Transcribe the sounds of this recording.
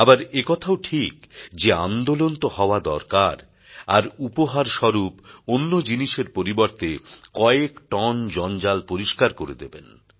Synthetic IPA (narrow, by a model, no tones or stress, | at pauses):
abaɾekɔt̪ʰaoʈʰikd͡ʑeand̪olont̪ohɔoad̪ɔ̰ɾkaɾ | aɾupoɦaɾʃɔɾuponːod͡ʑiniʃeɾpoɾiboɾt̪ekɔekʈɔnd͡ʑɔnd͡ʑalpoɾiʃkaɾkoɾed̪eben